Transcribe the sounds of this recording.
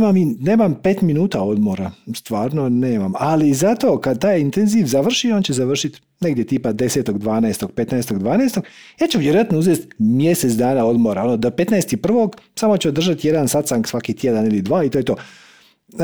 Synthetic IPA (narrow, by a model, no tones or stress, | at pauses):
mamine̞ːmampe̞ːt̪minuːt̪ao̞d̪mo̞ɾast̪ʋaːɾno̞ne̞ːmamalizat̪o̞ːkad̪̚t̪aːjint̪e̞nziʋzaʋr̩ʃio̞ːnt͡ɕezaʋr̩ʃit̪ | neɡd̪jet̪ipad̪e̞seːt̪o̞ɡd̪ʋaːnaest̪o̞ɡ̥pe̞t̪naest̪o̞ɡd̪ʋaːnaest̪o̞ɡjaːt͡ɕuʋjeɾojat̪nouzest̪mje̞set̪sd̪aːnao̞d̪mo̞ɾao̞nod̪ope̞t̪naest̪ipr̩ʋo̞ɡsamo̞t͡ɕeod̪r̩ʒat̪je̞d̪ansat̪saŋksʋakit̪ʲjed̪anilid̪ʋaːit̪ojet̪oː